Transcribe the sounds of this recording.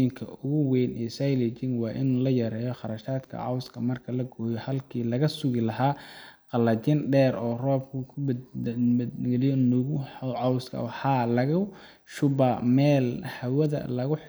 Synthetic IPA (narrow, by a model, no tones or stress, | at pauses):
ɪŋkʰɐ̰ʊɣʊwɛːnɛːsajlɪt͡ʃɪnwɑːʔɪnuːlɐjɐɾɛːjɔχɑɾɐʃaːd̪kʰɐ̰ʕɑ̰wskʰɐmɐrkʰɐlɐɡɔːjɔhɐlkʰiːlɐɣɐsʊɣɪlɐɦaːqɑlɐt͡ʃɪnɖɛːrɔːrɔːb̚kʰʊkʰʊ | ɡɛlɪjɔnɔɣʊʕɑwskʰɐ̰wħɑlɐɣɐ | ʃʊbɐmɛːlhɐwɐðɐ̰lɐɣʊ